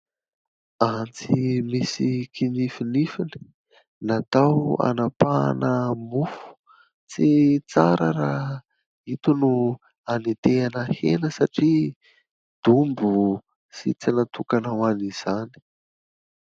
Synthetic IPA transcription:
ant͡simisikinifinifini̥ | nat̪awa̰napa̰nəmufu̥ | t͡sit͡saɾəɾa | it̪unu | anit̪eanəhḛnəsaʈ͡ʂi | d̪̥umbu | sit͡sinat̪ukanawaniz̥ani̥

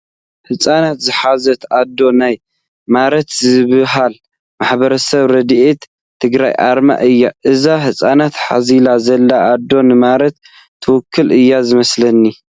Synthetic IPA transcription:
hɨsʼanat̪zɨħazɐt̪ʔad̪ːo̞naj | maɾɐt̪zɨβɨɦal | maħbɐɾɐsɐβɾɐd̪ʔet̪ | t̪ʰːɨɡɾa̰jʔa̰ɾma̰ʔɨjːaʔɨzahɨsʼanat̪ħa̰zilazɐlːaːd̪ːo̞nɨmaɾɐt̪ʰː | ɨwʊkʰːɨlʔɨjːazɨmɐslɐnːi

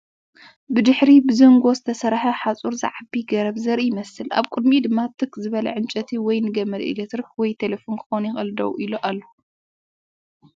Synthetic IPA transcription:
bɨd̪ɨħɾibɨzɐŋɡozɨt̪ʰɐsɐɾħɐħat͡sʼuɾza̰ʕabiɡɐɾɐβzɐɾijɪmɐsɨla̰βkʼɨd̪̚mid̪ɨmːat̪ʰɨkzɨβɐlɐ̰ʕɨnt͡ʃʼɐt̪ʰiwɔjnɨɡɐmɐd̪ʔɨ̰ɡɐt̪ɾɨxwɔjt̪ʰelefonkʰɨ̥xonjɪxʼɐld̪ɐ̰wʔiloʔalːo

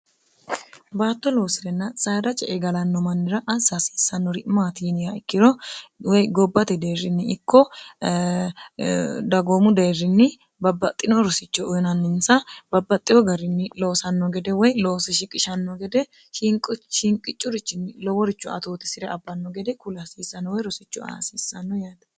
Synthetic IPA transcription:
baːt̪ːɔlo̞ːsɪɾɛnːɐsʼaːɾɐt͡ʃʼɛʔɛɡɐlɐnːɔmɐnːɪɾɐʔɐsasi̥sːɐnːɔɾɪʔmaːt̪iːnɪjaɪkːɪɾɔwɔjɡɔbːɐt̪ɛd̪ejrːɪnːɪɪkːɔ | d̪ɐɡoːmʊd̪ejrːɪnːɪ | bɐbːɐt̪ʼːɪnɔɾɔsɪt͡ʃːɔʊjnɐnːɪnsɐb̥ɐbːɐt̪ʼːɪɔɡɐɾɪnːɪloːsɐnːɔɡɛd̪ɛwɔjloːsɛʃɪkʼɪʃɐnːɔɡɛd̪ɛ | ʃɪŋkʼʃɪŋkʼɪt͡ʃʼːʊɾɪt͡ʃːɪnːɪlɔwɔɾɪt͡ʃːʊɐ̰t̪oːt̪ɛ̥sɪɾɛɐbːɐnːɔɡɛd̪ɛkʊlɐsiːsːɐnːɔwɔjɾɔsɪt͡ʃːʊa̰siːsːɐnːɔjaːt̪ɐ̥

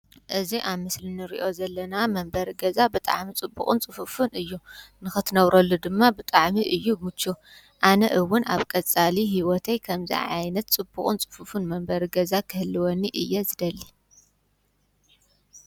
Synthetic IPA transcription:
ʔɨziʔaβmɨslinɨɾḭʔo̞zɐlːɐnamɐmbɐɾɡɐzabɨt̪ʼa̰ʕmit͡sʼɨbːṵχʼɨnt͡sʼɨfufunɨjːunɨxɨt̪ʰɨnɐβɾɐlːud̪ɨmːabɨt̪ʼaʕmiʔɨjːumɨt͡ʃːu | ʔanɐʔɨwʊna̰βkʼɐt͡sʼaliɦiwɔt̪ʰɐjkʰɐmzḭʕa̰jnɐt̪̚t͡sʼɨbːukʼunt͡sʼɨ̥fufunmɐmbɐɾɡɐzakʰɨhɨlːɨwɔnːiʔɨjːɛzɨd̪ɐlːi

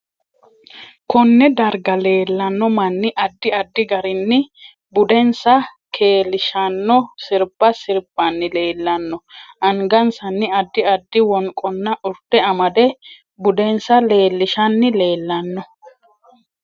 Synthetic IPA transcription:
kɔnːɛd̪ɐɾɡɐle̞ːlːɐnːɔmɐnːɪʔɐd̪ːɪɐd̪ːɪɡɐɾɪnːɪ | bʊd̪ɛnsɐ | kʰe̞ːlːɪʃɐnːɔsɪɾbɐsɪɾb̥ɐnːɪle̞ːlːɐnːɔʔɐŋɡɐnsɐnːɪɐd̪ːɪɐd̪ːɪwɔŋkʼɔnːɐʔʊɾt̪ːɛɐmɐd̪ɛ | bʊd̪ɛnsɐle̞ːlːɪʃɐnːɪle̞ːlːɐnːɔ

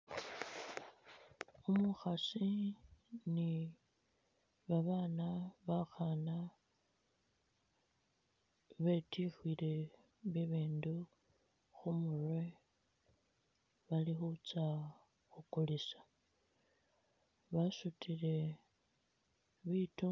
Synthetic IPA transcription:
umuxasi | ni | βaβaːnaβaxana | βe̞tʰixwile̞ | βiβiːndu | xumurwe | βalixut͡sa | xukulisḁ | βasutʰile̞ | βitu

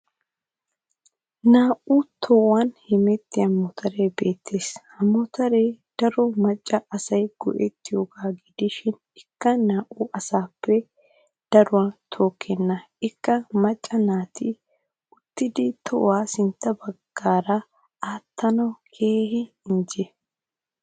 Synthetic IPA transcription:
naːʔʊt̪ʰɔwɐnhɪmɛt̪ːɪjɐmɔt̪ʰɐɾejbe̞ːt̪ːeːshɐmɔt̪ɐɾejd̪̥ɐɾɔmɐt͡ʃʼːɐʔɐsɐjɡ̥ɔ̰ʔɛt̪ːɪjoːɡaːɡɪd̪ɪʃɪn | ɪkːɐnaːʔʊʔɐsaːpːɛ | d̪̥ɐɾʊwɐnt̪ʰo̞ːkʰːɛnːɐ | ɪkːɐmɐt͡ʃʼːɐnaːt̪ɪ | ʊt̪ːɪd̪ɪt̪ʰɔwaːsɪnt̪ːɐbɐɡ̥ːaːɾɐ | aːt̪ːɐnɐkʰeːhɪ | ɪnd͡ʒɛ

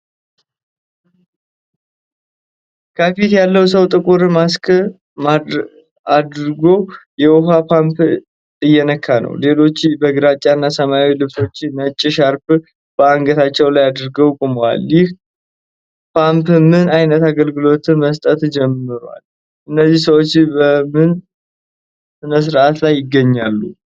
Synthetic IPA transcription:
kʰəfit̪jalːəws̬əwt̪ʼɨkʼuɾmaskʰʼɨ | ma | ad̪ɾɡo̞jɛwɔfapʰamp | ɨjːɛnəkʰːanə̰wle̞lo̞t͡ʃːbəɡɨɾat͡ʃʼːanːasəmaawilɨβso̞t͡ʃːnət͡ʃʼːɪʃaɾp | b̥əaŋɡət̪ʰat͡ʃːɛwlajad̪ɾɡəwkʼumwa̰ljɪh | pʰampmɨnajnət̪aɡəlɡɨlo̞t̪ʰɨnməst̪ʼət̪d͡ʒɛmːɨɾa̰l | ʔɨnːəzːihsəwo̞t͡ʃːbəmɨn | sɨnəs̬ɨɾʔat̪lajːɪɡːəɲːalːu

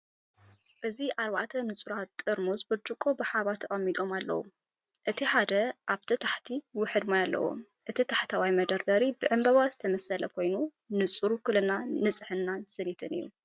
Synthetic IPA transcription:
ʔɨziʔaɾβa̰ʔt̪ʰɐnɨt͡sʼuɾat̪ʼːɨɾmuzbɨd͡ʒ̪ɾɨkʼobɨħaβat̪ʰːɐχʼɐmːit̪ʼo̞malːɐ̰wu | ʔɨt̪ʰiħad̪ɐʔaβt̪ʰɨt̪ʰaħt̪ʰiwʊħɨd̪majalːɐ̰wo̰m | ʔɨt̪ʰit̪ʰaħt̪ʰawajmɐd̪ɐɾd̪ɐɾibɨʕɨmbɐβazɨt̪ʰɐmɐsɐlɐkʰo̞jnu | nɨt͡sʼuɾukʰɨlɐnanɨt͡sʼħɨnːansɨnit̪ʰɨnɨ̰jːṵ

